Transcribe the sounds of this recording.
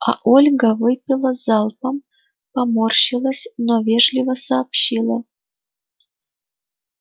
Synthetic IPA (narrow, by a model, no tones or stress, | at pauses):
ɑ̰ʔolʲɡɑvɨpʲːilˠə̆zɑlˠpəm | pɑmorɕilˠə̆sʲnovʲeʐlʲivə̆sɑːpɕilˠɤ̆